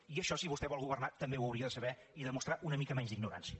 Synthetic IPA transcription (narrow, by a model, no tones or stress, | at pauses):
iəʃɔsiβust̪ɛβɔlˠɣuβ̞ərnat̪əmbewəwɾiəðəsəβɛ | iðəmust̪ɾaʔunəmikəmɛɲzd̪iɡnuɾa̰nsiə